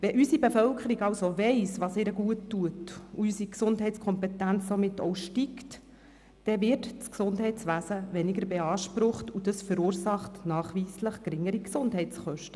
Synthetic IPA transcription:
ʋɛʔysibefœlkʰəɾiɡɑlsoʋɛɪsʋɑːseːɾəɡuətːuətuysiksʊndɦɛɪt͡skʰɔmpetænt͡ssomɪtːɔ̰ʊʃtikt | d̥ɛʋɪɾtt͡sksʊndɦɛɪt͡sʋæːsəʋɛnɪɡəɾbeɑːʃpɾʊχtud̥əsfəɾuːɾsɑχtnɑːχʋiːsləχkɾɪŋːəɾiksʊndɦɛɪt͡sχœʃtə

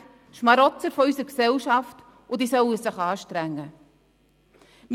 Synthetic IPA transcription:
ʃmɑɾɔt͡st͡səɾfɔysəɾksɛlʃɑft | ʊd̪isœwəsəχɑːʃtɾæŋːə | m

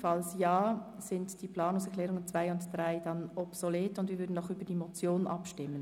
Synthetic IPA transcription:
fɑlsjaːsɪntd̥ipʰlɑːnʊŋsɛkʰlɛːɾʊŋənt͡svaɪʊntd̥ʁaɪd̥ɑnɔpsoleːtʊndviːɾvʏːɾdn̩aʊxybəd̥imot͡sjoːnʔɑpʃtɪmːən

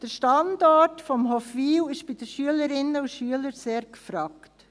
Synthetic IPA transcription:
d̥əɾʃtɑndɔtfɔmɦɔfʋiːwɪʃb̥ɪd̥əʃyələɾɪnəuʃyələɾseːɾkfɾɑːkt

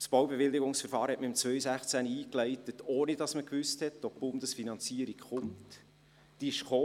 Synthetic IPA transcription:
sb̥owbeʋɪlːiɡʊŋsfəɾfɑːɾhɛʔməɪmt͡svœʏsæχt͡sæniiːklɛɪtətoːnidɑsməkʋʏsthɛtːopb̥ʊndəsfinɑnt͡siəɾikχʊmt | d̥iɪʃχoː

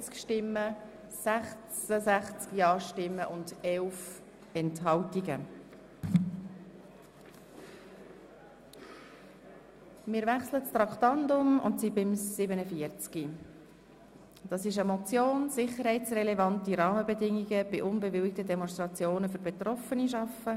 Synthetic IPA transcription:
t͡skʃtɪmːə | sæχt͡səsæχt͡skiɑːʃtɪmːəʔʊndɛlf | ɛntɦɑltiɡə̰ | mɪːɾvæχslət͡st̪ɾɑktɑndʊmʊ̰ntsibɪmsɪbənəfiəɾt͡ski | d̥ɑsɪʃəmɔt͡sjoːnsɪχəɾhɛɪt͡srɛlɛvɑntiɾɑːməbɛdɪŋːiɡəb̥ɪʔʊnbɛvɪlɪk̚tədɛmɔnst̪ɾɑt͡sjoːnəfʏɾbɛtɾɔfəniʃɑfə

